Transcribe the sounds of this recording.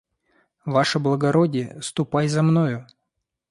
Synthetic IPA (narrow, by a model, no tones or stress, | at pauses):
vaʂɨblˠəɡɐɾodʲɪjəst̪ʊpajzɐmnojʊ